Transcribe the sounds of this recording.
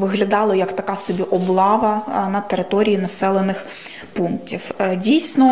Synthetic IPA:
ʋɪɦlʲɐd̪ɑlˠɔjɐkt̪ɐkɑsɔbʲiʔɔblˠɑʋɐnɐt̪eɾɪt̪ɔɾʲijinɐsɛlˠenɪx | punk̚tʲiwdʲijsʲnɔ

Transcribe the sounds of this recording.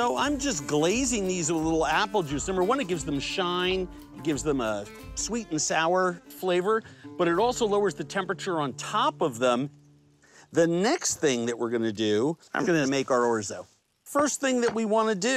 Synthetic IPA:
soʊʔãɪ̃md͡ʒʌsɡ̥leɪzɪ̃ŋðizlɪɾl̩ˠæpl̩ˠd͡ʒʉsmɛ̃mbə˞wʌ̃nɨt̚ɡ̥ɪvzðə̃m̩ʃãɪ̃n | t̚ɡ̥ɪvzðə̃mə | swiɾn̩saʊə˞fleɪvə˞b̥ʌɾɨɾɔlˠsoʊloʊə˞zðɨtʰɛ̃mpɹɨt͡ʃə˞ə̃ntʰɑpʌvðə̃m | ðɨnɛksθɪ̃ŋðɨʔ̚wɪɹɡʌnɨdʉãɪ̃mɡʌnɨmeɪkə˞ɔɹzðoʊ | fɜ˞sθɪ̃ŋðɨtʔ̚wiwɑ̃nɨdɨ

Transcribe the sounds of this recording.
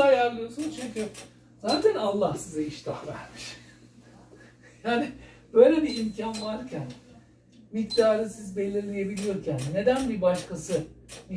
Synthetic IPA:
ajæɾlˠɯjosunt͡ʃʰyɲcy | zaːt̪ʰænalˠːahsizɛiʃt̪ʰa̰væ̰ɾmɯʃ | jaːni | b̥ø̞jlʲebiimcʰanvaɾcʰæn | mict̪aːɾɯsizbe̞lʲːiɾlʲijebilʲijo̞ɾcʰænne̞d̪ænbibaʃkasɯmi

